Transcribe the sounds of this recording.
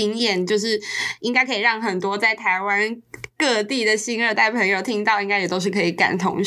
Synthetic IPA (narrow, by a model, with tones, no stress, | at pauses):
i˥ŋjɛ˥˩nt͡ɕjo˥˧ʊʂɻ̩˥˩i˥ŋka˥ɪkʰɤ˧˥i˨˩ɻɑ˥˩ŋxə˨˩nt̪wɔ˥t͡sa˥˩ɪt̪ʰa˧˥ɪwa˦nkɤ˥˧t̪i˥˩d̪ə˩ɕi˥nə˞˥˧t̪a˥˩ɪpʰə˧˥ŋjo˨˩ʊt̪ʰi˧˥ŋt̪ɑ˥˩ʊi˧˥ŋka˥ɪjɛ˨˩t̪o˥ʊʂɻ̩˥˩kʰɤ˧˥i˨˩ka̰˨˩nt̪ʰʊ̰˧˥ŋ